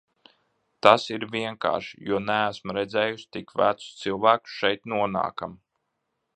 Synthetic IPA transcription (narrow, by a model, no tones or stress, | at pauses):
t̪asiɾvʲiɛŋka̰ːɾʃijuɔnææsmɾɛd̪zɛːjusʲt̪ikvæt̪su̥st̪silˠvæːku̥sʃɛjt̪nuɔna̰ːkam